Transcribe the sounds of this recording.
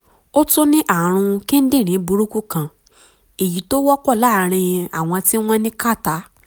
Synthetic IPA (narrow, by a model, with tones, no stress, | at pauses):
o˦to˦nĩ˦ʔa˦˨ɾ̃ũ˧ki˦n̩˦dĩ˦˨ɾ̃ĩ˨˦bu˧˦ɾu˦ku˦˨kã˧˨ | e˨ji˨˦to˦wɔ˦kɔ˦˨la˦˨˦ɾ̃ĩ˧j̃ɛ̃˧a˨w̃ɔ̃˧ti˦w̃ɔ̃˦nĩ˦ka˦˨ta˨˦